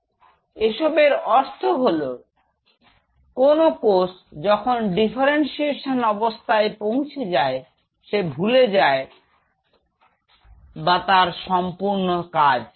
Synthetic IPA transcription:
eʃɔbeɾɔɾt̪ʰoɦolo | konokos | d͡ʑɔkʰonɖifʰaɾensieʃonɔbost̪ʰaepow̃t͡ɕʰed͡ʑae | ʃebʱuled͡ʑae | bat̪aɾʃɔmpuɾnokad͡ʑ

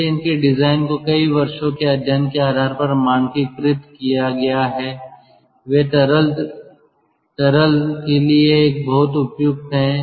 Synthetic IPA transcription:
eɪnkeɖɪzaːɪnkokɐiʋɐɾʃõkeɐd̪ənkeaːɾaːɾpɐɾmaːnkipɾɪt̪kijaɡɐjaɦɛː | ʋeːt̪ɾl | t̪ɐɾəlkelieːk̚bɐɦʊt̪ʊpjʊɡ̚t̪ɦɛ̃ː

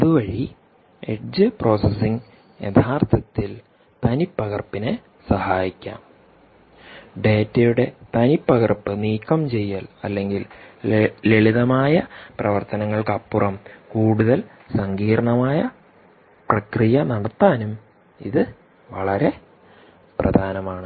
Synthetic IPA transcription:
ɐðuʋɐɻi | eʈd͡ʑɨpro̞ːsesiŋɡ | jed̪ʰʱaːrt̪ʰɐt̪ːil | t̪ɐnipːɐɣɐrpːine | sɐhaːjikʲːa̰ːm | ɖe̞ːtːɐjuɽe̞t̪ɐnipːɐɣɐrpːɨniːkːɐmt͡ɕe̞jːalɐlːe̞ŋɡil | leɭiðɐmaːjɐprɐʋɐrt̪ɐnɐŋːɐɭkɐpːurɐmkuːɽuðɐl | sɐŋɡiːɾɐɳɐmaːjɐ | prɐkrijɐnɐɽɐt̪ːaːnum | ḭðɨ | ʋɐɭɐɾe̞ | prɐ̰d̪ʱaːnɐmaːɳɨ

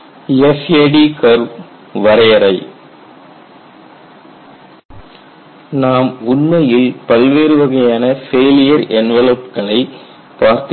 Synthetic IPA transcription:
ɛfeːɖikɐɾ | ʋɐɾɐjɐɾɐɪ | naːmʊɳmɐjɪlpɐlʋeːɾɯʋɐɣɐjaːnɐfeːlɪjɐɾʔɛnʋɛlɐpkɐɭɐɪ | paːɾt̪

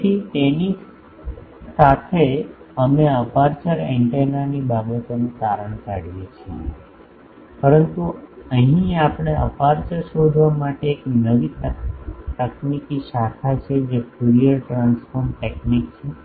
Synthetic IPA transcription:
it̪eni | sat̪ʰe | əmeəpaɾt͡ʃəɾeɳʈenanibabət̪onuk̪aɾəɳ̃kaɽʋit͡ʃʰḛ | pəɾənt̪uəɦĩapɳ̃eəpaɾt͡ʃəɾʃod̪ʱʋamaʈeːknəʋit | t̪əknikiʃakʰat͡ʃʰed͡ʒepʰuɾiəɾʈɾansfoɾmʈeknikt͡ʃʰe

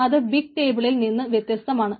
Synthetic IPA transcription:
ɐðɨbiɡ̚ʈe̞ːbɨɭilninːɨʋjet̪jɐst̪ɐmaːɳɨ

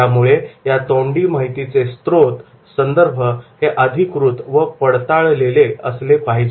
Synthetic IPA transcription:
amuɭejat̪oɳɖiːmaɦit̪it͡sest̪ɾot̪ | sənd̪əɾbʱəheʔəd̪ʱikɾut̪ʋəpəɽt̪aɭleleə̰slepaɦid͡ʑ

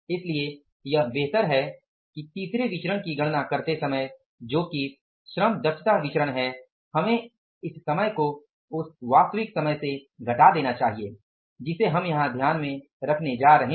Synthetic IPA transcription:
ɪslie | jɐɦbeːɦt̪əɾɦɛ | kit̪iːsɾeʋɪt͡ʃɾəɽ̃kiɡɐɽ̃nakɐɾt̪esɐməj | d͡ʒoːki | ʃɾəmd̪ɐʃʰət̪aʋɪt͡ʃɾəɽ̃ɦɛ | hɐmẽ | ɪsːɐməjko | ʊsʋaːst̪əʋɪksɐməjseɡʱɐʈad̪eːnat͡ʃaːɦie | d͡ʒɪseɦɐmjɐɦãd̪ʱjaːnmẽ | ɾɐkʰned͡ʒaːɾɐɦẽ

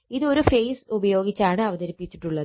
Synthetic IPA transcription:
iðɨo̞ɾufejsubɐjo̞ːɡit͡ɕːaːɳɨɐʋɐðɐɾipːit͡ɕːi̥ʈːuɭːɐðɨ

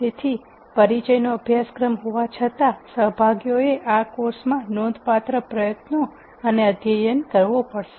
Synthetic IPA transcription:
t̪et̪ʰi | pəɾit͡ʃəjnoəbʱjaskɾəmɦoʋat͡ʃʰət̪asəɦbʱaɡjoeʔakoɾsmãnõd̪ʱpat̪ɾəpɾəjət̪no | əneəd̪jəjənkəɾʋopəɽʃe̥

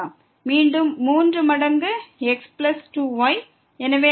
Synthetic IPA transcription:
aː | miːɳɖɯmːuːndrɯmɐɽɐŋɡɯɛksplɐsʈuːʋɐɪ | ɛnɐʋeː

